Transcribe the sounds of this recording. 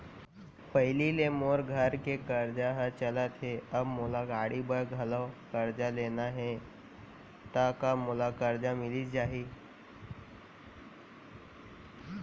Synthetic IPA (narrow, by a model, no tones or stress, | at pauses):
pɐɦɪlilemoːɾɡʱəɾkekəɾd͡ʒaɦət͡ʃələt̪ɦɛəbmʊlaɡaːɽibəɾɡʱɐləkəɾd͡ʒaleːnaɦɛ | t̪akamʊlakəɾd͡ʒamɪlid͡ʒaːɦi